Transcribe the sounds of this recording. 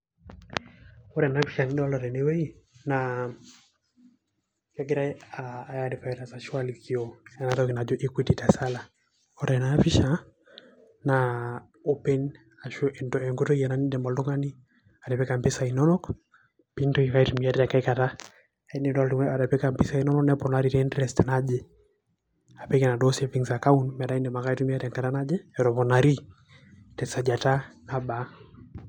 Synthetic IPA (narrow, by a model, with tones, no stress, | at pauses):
ɔ˦ɾɛ˨na˦pi˦ʃa˨ni˦dɔ˦lɔ˨ɾɛ˨ne˦we˦i˦na | ka˦ɡɪ˦ɾa˦aː˨jadi˨ka˨˦ɾa˨sa˨ʃwa˦liki˨o˦ɛ˦natɔ˦ki˨na˨d͡ʒo˦ʔi˦ki˦ti˨ta˨sa˦la˨ | ɔ˦ɾɛ˨na˦fi˦ʃa˨ | na | o˦pe˦n | a˨ʃo˦ʔe˨nto˨ɛ˨ŋɡo˦to˦i˦ɛ˨na˦ni˦dɛ˨mbɔ˨ldu˦ŋa˦ni˦ | a˨ɾɛ˨pɛ˦ka˨mpi˦sa˨inɔ˦nɔ˦k | pi˦ntɔ˦jɛka˦itu˨miatɛ˨ka˦ika˨ta˦ | ɛnɛda˨ɾɛ˨pɛ˦kampi˦sa˦i˦nɔ˦nɔ˦knɛpɔnaɾitɛndɾɛstɛ˨nad͡ʒɛ˦ | a˨pɛ˦kɛ˨na˨dɔseviŋsa˨ka˦unmɛ˨da˦i˦nɛ˨ma˨ka˦i˦tu˦m˦a˦ɾɛ˨ŋka˨ta˦na˦d͡ʒɛ˦ɛ˨ɾɔ˨pɔna˨ɾi˦ | tɛ˨sa˨d͡ʒa˨ta˦na˦ba˨